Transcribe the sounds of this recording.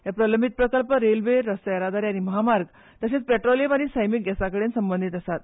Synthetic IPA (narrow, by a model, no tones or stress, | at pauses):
ɦjapɾələmbʱit̪̚pɾəkəlpəɾelʋeɾːəsəjəɾad̪aɾjaniməɦamaɾɡ | t̪əset͡spɛʈɾolemaɽ̃isəjmik̚ɡɛsakəɽensəmbənd̪ʱit̪əsat̪